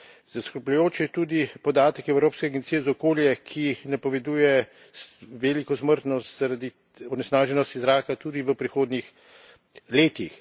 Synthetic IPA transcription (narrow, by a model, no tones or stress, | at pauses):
z̥askəɾpʎʊjoːt͡ʃjɛt̪ud̪ipɔd̪aːt̪ɛkɛwɾoːpskɛaɡɛnt̪sijɛzaɔkoːljɛkʰinapɔʋɛd̪uːjɛ | sʋɛlikɔsməɾt̪nɔst̪zaɾad̪i | ɔnɛsnaːʒɛnɔst̪izɾaːkat̪ud̪iʋəpɾixoːd̪nix | leːt̪ix